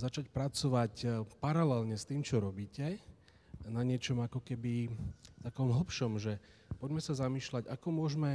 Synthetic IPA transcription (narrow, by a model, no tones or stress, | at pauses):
zat͡ʃacpɾat͡sɔʋacpaɾalɛlɲɛst̪iːmt͡ʃɔɾɔbiːcɛ | naɲɪɛt͡ʃɔmakɔkɛbit̪akɔmɦl̩ˠpʃɔmʒɛpɔɟmɛsazamiːʃlaɟakɔmʊɔʒmɛ